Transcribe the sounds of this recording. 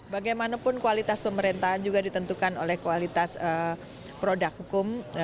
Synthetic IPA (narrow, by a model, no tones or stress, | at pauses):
baɡajmanapʊnkualit̪aspəməɾint̪aɦand͡ʒuɡadit̪ənt̪ukano̰lɛhkualit̪asə | pɾodak̚hukʊm